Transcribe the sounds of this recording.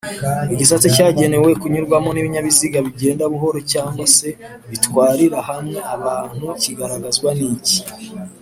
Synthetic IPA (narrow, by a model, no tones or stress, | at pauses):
iɟis̬at͡sicaːɟe̞ne̞we̞kuɲuɾɡwamoniβiɲaβiziɡaβiɟe̞ːndaβuɦo̞ɾo̞caːŋɡwase̞ | βitwaːɾiɾahamŋeaβaːn̥huciɡaɾaɡazɡwanici̥